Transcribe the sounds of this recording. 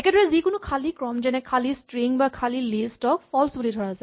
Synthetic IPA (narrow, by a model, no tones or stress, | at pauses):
ɛkɛdʱɔɹɛzikʊnʊkʰalikɹɔmd͡ʒɛnɛkʰalistɹiŋbakʰalilestɔk̚fɔlsbulidʱɔɹazaɛ